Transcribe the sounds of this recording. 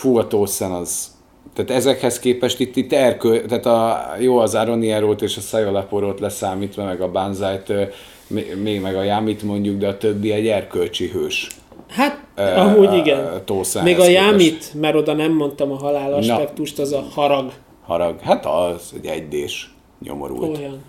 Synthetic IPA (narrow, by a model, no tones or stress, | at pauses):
fuɒt̪oːsɛnɒz | t̪aːt̪ɛzɛkhɛskeːpɛʃt̪it̪ːit̪ːɛrkølt̪aːt̪ɒjoːɒzaɾo̞niɛɾoːt̪eːʃɒsɛjolapoɾoːt̪lɛsaːmiːt̪ʋɒmɛɡɒbanzajt̪ː | memeːɡmɛɡɒjaːmit̪mo̞ɲɟuɡd̪ɛɒt̪øbːiɛɟɛrkølt͡ʃiɦøːʃ | hat̪ːɒmuːiɡɛnt̪oːsaːmeːɡɒjaːmit̪mɛɾo̞d̪ɒnɛmːo̞nt̪ɒmɒɦɒlaːlɒʃɛkt̪uʃt̪ɒzɒhɒɾɒɡ | hɒɾɒɡhat̪ɒzɛ̰ɟɛ̰ɟd̪eːʃ | ɲo̰mo̰ɾṵlojɒn